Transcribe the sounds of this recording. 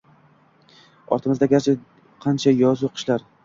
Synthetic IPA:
ɒ̰ɾt̪ʰɪmɪzd̪aɡʲaɾt͡ʃʰɪ | qʰɑnt͡ʃʰajɒzuqʰɨ̥ʃlaɾ

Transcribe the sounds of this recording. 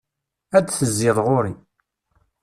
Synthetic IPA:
æd̪θəzːɪðˤʁoɾi

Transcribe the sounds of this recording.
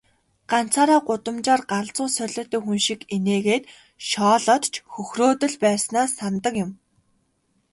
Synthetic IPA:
ɢ̥an̥t͡sʰaːɾaːɢʊt̪ə̆mt͡ɕaːrɢaɮt͡sʊːsœɮə̆t̪ĕːxunʃikeneːɣeːt̪ | ʃɔːɮɔt̪t͡ɕʰxɵxroːt̪ə̆ɮpæːrsnaːsːant̪ə̆kjʊ̆m

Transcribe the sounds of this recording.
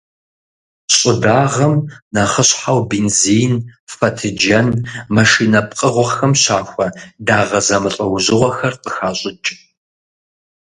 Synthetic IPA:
ɕʼɪdaːʁɐmnɐχəɕħawbeːnziːnfɐtʰɨd͡ʒɐnmɐʃiːnɐp̚ʼqʼəʁʷɔxɐmɕaːxʷɐdaːʁɐzɐmɨɬʼɐwʑɪʁʷɔxɐrqəxaːɕʼɪt͡ʃʼ

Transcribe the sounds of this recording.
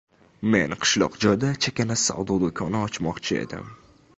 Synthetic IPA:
menqʰɨ̥ʃlˠɒ̰qd͡ʒɒjd̪at͡ʃʰakʲanasa̰wd̪ɒd̪okʰɒnaɒt͡ʃmɒqt͡ʃʰɪe̞̰d̪ɪ̰m

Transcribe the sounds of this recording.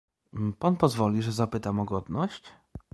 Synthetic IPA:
panpɔzvɔlʲiʐɛzapɘt̪amɔɡɔd̪nɔɕt͡ɕ

